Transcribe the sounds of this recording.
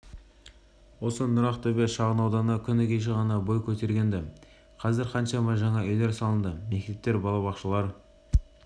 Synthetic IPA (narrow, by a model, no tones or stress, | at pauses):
wo̞sənʊɾɑqt̪obeʃɑʁənɑwd̪ɑnəkʲʰʏnɪkʲʰeʃ̬eʁɑnɑbo̞jkʲʰɵt̪e̞ɾɡʲe̞nd̪ɪ | qʰɑzɪɾqʰɑnʃɑmɑʒɑɴɑɵjle̞ɾsɑlˠənd̪əme̞k̚ʲt̪e̞p̚t̪ːe̞ɾbɑlˠɑβɑqʃəlˠɑɾ